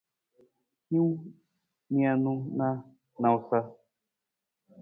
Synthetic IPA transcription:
hĩ˦w | mĩ˦a˧nũ˦na˦ | nã˨wu˨sa˦

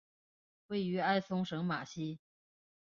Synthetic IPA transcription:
we˥˩ɪy˧˥a˥˩ɪsʊ˥ŋʂɤ˧˥ŋma˨˩ɕi˥

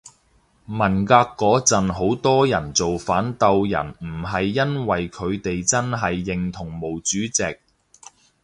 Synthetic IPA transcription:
mɐ˨˩nkaː˧kːɔː˨˥t͡sɐ˨nɦo˨˥wt̪ɔː˥jɐ˨˩nt͡so˨wfaː˨˥nt̪ɐ˧wjɐ̰˨˩nm̩˨˩ɦɐ˨jːɐ˥nwɐ˨jkʰɵ˨˧ɥt̪e˨jt͡sɐ˥nɦɐ˨jːɪ˨ŋt̪ʰʊ˨˩ŋmo˨˩wt͡syː˨˥t͡sɪ˨k̚

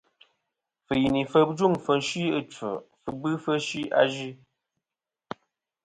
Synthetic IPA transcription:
fə˨ji˨ni˨fə˦bd͡ʒu˦˨ŋfə˨n̩˦ʃi˦ə˦t͡ʃə̰˨fə˨bɨ˦fə˦ʃi˦a̰˦ʒi˦

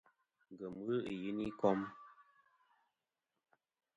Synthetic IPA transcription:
ŋ˨ɡə˨mə˦i˨ji˦ni˦kɔ˦m

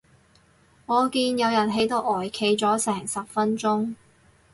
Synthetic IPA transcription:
ŋɔː˨˧kiː˧njɐ˨˧wjɐ˨˩nɦe˨˥jt̪o˥wʔɔː˨˩jkʰe˨˧jt͡sɔː˨˥sɛː˨˩ŋsɐ˨p̚fɐ˥nt͡sʊ˥ŋ

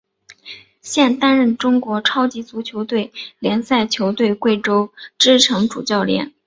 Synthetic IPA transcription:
ɕjɛ˥˩nt̪a˥nɻə˥˩nʈ͡ʂʊ˥ŋkwɔ˧˥ʈ͡ʂʰɑ˥ʊt͡ɕi˧˥t͡su˧˥t͡ɕʰjo˧˥ʊt̪we˥˩ɪljɛ˧˥nsa˥˩ɪt͡ɕʰjo˧˥ʊt̪we˥˧ɪkwe˥˩ɪʈ͡ʂo˥ʊʈ͡ʂɻ̩˥˩ʈ͡ʂʰɤ˧˥ŋʈ͡ʂu˨˩t͡ɕjɑ˥˩ʊljɛ̰˧˥n

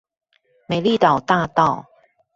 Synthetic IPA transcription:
me˨˩ɪli˥˨t̪ɑ˨˩ʊt̪a˥˧t̪ɑ˥˨ʊ

